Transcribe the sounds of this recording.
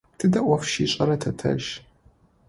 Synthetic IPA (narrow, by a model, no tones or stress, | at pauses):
tʰɨdɐʔʷɐfʃiɕʼɐɾɐtʰɐtʰɐ̰ʒ